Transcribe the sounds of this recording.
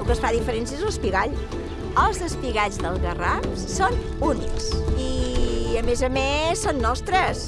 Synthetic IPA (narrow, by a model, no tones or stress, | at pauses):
ukəsfaðifəɾensiezəlˠspiɣaʎ | əlˠzðəspiɣazðəlˠɣəraf | son | uniksiəmezəmesːonːɔst̪ɾəs